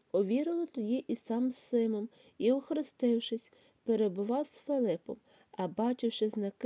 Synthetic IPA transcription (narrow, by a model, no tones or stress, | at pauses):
ɔʋʲiɾɪlˠɔt̪ɔjʲiʔisɑmssɪmɔm | iʊxɾɪst̪ɪwʃɪsʲ | peɾebʊʋɑwsfelˠɪpɔm | ɐbɑt͡ʃɪwʃɪznɐk